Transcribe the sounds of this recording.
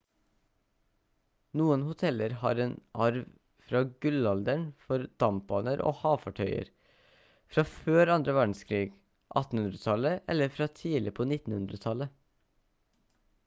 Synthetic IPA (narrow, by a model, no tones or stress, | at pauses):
nuːənhʊt̪ʰɛləɾhɑ̰ːɾeːnʔɑɾʋ | fɾɑːɡʉlɑld̪əɳfɔɾd̪̥ɑmp̚bɑːnəɾʔo̰ːhɑːfɑʈʰœʏə̰ɾ | fɾɑːføːɾɑnd̪ɾəʋæːɖɳ̩skʰɾiːɡ | ʔɑ̰t̪n̩hʉnd̪ɾət̪ʰɑləʔɛ̰ləɾfɾɑːt̪ʰiːlɪpʰoːnɪt̪n̩hʉnd̪ɾət̪ʰɑlə